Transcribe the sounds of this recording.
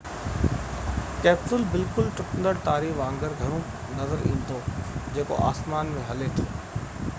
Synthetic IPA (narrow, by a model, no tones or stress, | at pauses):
kɛːpʈʊlbɪlkʊlʈʊʈənd̪əɽt̪aːɾiːʋãːŋɡəɾɡʱɐɽ̃ũ | nɐzəɾʔĩːn̆d̪od͡ʑeːko̰ʔa̰ːsmaːnmẽɦɐlet̪ʰoː